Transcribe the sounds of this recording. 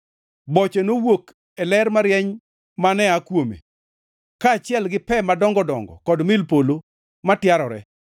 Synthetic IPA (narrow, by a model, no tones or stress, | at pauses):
bɔt͡ʃenowok | ɛlɛrmaɾjɛɲ | manɛakwomḛ | kaːt͡ʃɪɛlɡɪpɛmadɔŋɡɔdɔ̰ŋɡɔ̰kɔdmɪlpolo | matjaɾɔɾɛ̰